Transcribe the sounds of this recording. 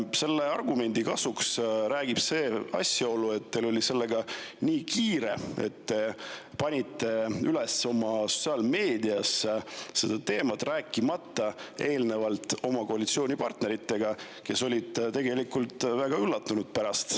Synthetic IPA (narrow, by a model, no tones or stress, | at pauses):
se̞lːeɑrɡume̞nʲd̪̥ikɑsuksɾæːɡ̥ib̥se̞ːɑ̰sjɑo̞lːue̞t̪ːelo̞lʲise̞lːe̞ɡɑniːkʰiːɾe̞̰e̞̰t̪ːe̞pɑnʲit̪ːe̞yle̞so̞mɑso̞̥tsiɑːlme̞ːd̪iɑsse̞d̪̥ɑt̪e̞ːmɑt̪ræːkˑːimɑt̪ˑːɑe̞ːlne̞vɑlt̪ːˑo̞mɑko̞ɑlʲit̪sio̞ːnʲipɑrt̪ne̞ɾit̪ːˑe̞ɡɑ | ke̞solʲid̪̥t̪e̞ɡe̞likult̪ˑvæɡ̥ɑylːɑt̪ːunud̪̥̚pæɾɑst̪